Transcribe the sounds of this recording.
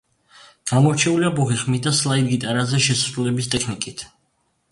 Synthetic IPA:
ɡ̥amɔɾt͡ʃʰɛuliabɔʁiχmid̪aslˠaiɾɡit̪ʼaɾazɛʃɛsasɾulɛbist̪ʼɛkʰnikʼit̪ʰ

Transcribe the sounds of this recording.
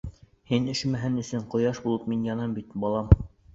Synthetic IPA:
hinɘ̆ʃmæɦɘnɘ̆sɘɴqŏjɑʃbulˠɤpminjɒnɑmbit̪bɒlˠɑm

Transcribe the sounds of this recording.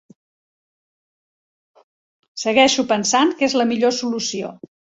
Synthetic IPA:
səɣɛʃupənsaŋkezləmiʎosulusio̰

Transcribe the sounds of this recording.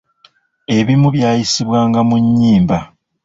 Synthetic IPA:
e̞βimuβjaːjisiβwaːŋɡamuɲːiːmba

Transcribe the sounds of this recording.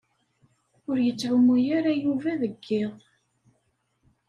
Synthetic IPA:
ʊɾjət͡sːʕʊmujaɾæjuvæðəɡːɪðˤ

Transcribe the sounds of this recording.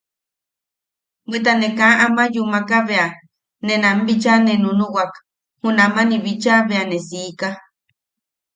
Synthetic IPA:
bit̪̬anekaʔamajumakaβea | nenambit͡ʃanenunuwak | hunamaniβit͡ʃaβeanesiːka

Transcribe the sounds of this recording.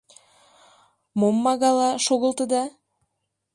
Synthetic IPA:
momːɑɣɑlˠɑʃoɣɤ̆lˠt̪ɤd̪ɑ

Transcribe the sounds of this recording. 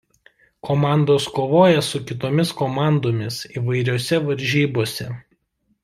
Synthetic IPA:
komɑˑnd̪oːskoːʋoːjɛsʊkʲɪt̪oːmʲɪskoːmɑˑnd̪oːmʲɪsiːʋɐɪɾʲoːsʲɛʋɐɾʲʒʲiːboːsʲɛ

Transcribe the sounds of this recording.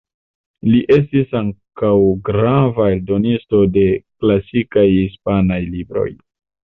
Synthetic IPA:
liʔe̞s̬tisaŋkawɡɾavaeldo̞nisto̞de̞klasikajhispanajlibɾo̞̰j

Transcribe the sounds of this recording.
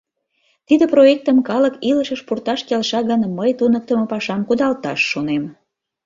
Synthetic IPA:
t̪id̪əproek̚t̪əmkɑləkiləʃəʃpurt̪ɑʃkelʃɑɣənməjt̪unək̚t̪əməpɑʃɑmkud̪ɑlt̪ɑʃːonem

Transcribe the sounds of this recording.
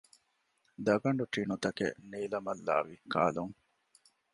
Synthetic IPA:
d̪ɐɡɐɳɖuʈinut̪ɐkḛniːlɐmɐlːa̰ːʋika̰ːluŋ

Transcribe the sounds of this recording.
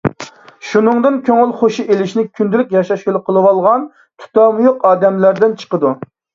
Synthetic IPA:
ʃunɨŋd̪ɨnkʲʰøŋylˠχoʃuʔelɪʃnɪkʲʰynd̪ylykʲjɑʃɑʃjolˠʊqʰːəlˠɨwɑlˠʁɑn | t̪ʰu̥t̪ɑmujoqɑːd̪ɛmlæɾd̪ɪnt͡ʃʰə̥qəd̪u

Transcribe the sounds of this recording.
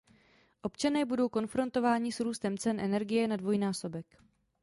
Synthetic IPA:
ʔo̞pt͡ʃanɛːbudo̞wko̞nfɾo̞nt̪o̞vaːɲɪsɾuːst̪ɛmt͡sɛnʔɛnɛɾɡɪjɛnadvo̞jnaːso̞bɛk

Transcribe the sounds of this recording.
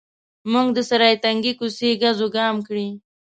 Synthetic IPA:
muŋɡd̪əsaɾɑjt̪aŋɡikuseɡazoɡɑmkɽi

